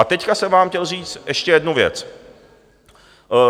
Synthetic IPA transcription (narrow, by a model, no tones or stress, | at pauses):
at̪ɛckasɛmvaːmxcɛlr̝iːt͡st̪ʔɛʃcɛjɛdnuvjɛ̰t͡s